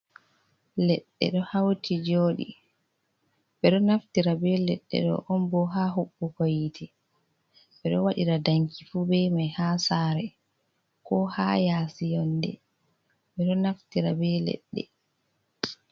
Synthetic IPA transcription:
lɛɗːɛ̰ɗɔhawtʰid͡ʒoːɗḭ | bɛɗɔnaftiɾabɛlɛɗːɛ̰ɗɔ̰ʔɔnbɔɦaːɦuɓːukajitʰi | bɛɗɔwaɗiɾadaŋkifuːbɛjmajhaːsaːɾɛ | kɔha̰jaːsijɔndɛ | ɓɛɗɔnaftiɾa̰bɛlɛ̰ɗːɛ̰

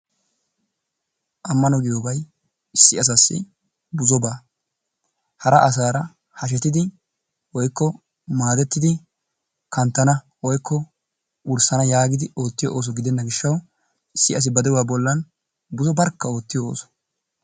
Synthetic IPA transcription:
ʔɐmːɐnɔɡɪjoːbɐj | ɪsːɪɐs̬asːɪ̰ | bʊzɔbaː | hɐɾɐʔɐs̬aːɾɐ | hɐʃ̬ɛt̪ːɪd̪ɪ | wɔjkːɔ | maːd̪ɛt̪ːɪd̪ɪ | kɐnt̪ːɐnɐ | wɔjkʰːɔ | ʊɾsɐnɐjaːɡɪd̪ɪo̞ːt̪ːɪjɔʔoːs̬ɔɡɪd̪ɛnːɐɡɪʃːɐw | ɪsːɪɐs̬ɪbɐd̪ɛwaːbɔlːɐn | bʊzɔbɐɾkːɐo̞ːt̪ːɪjɔo̰ːsɔ̥

